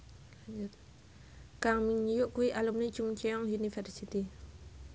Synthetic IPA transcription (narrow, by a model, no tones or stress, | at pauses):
d͡ʒ | kaŋmiŋɲujuʔkuiʔalumnit͡ʃuŋt͡ʃiɔŋjunifɛrsit̪i